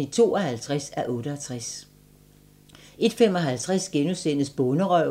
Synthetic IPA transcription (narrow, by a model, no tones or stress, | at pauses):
it͡sʰo̝̰ːɒhælt͡sʰʁasæʔɔ̽ːɾ̥əæt͡sʰʁas | e̝d̥fem̰ɒ̽ɦælt͡sʰʁasɡ̥enusenəsb̥ɔ̽nəʁœʊ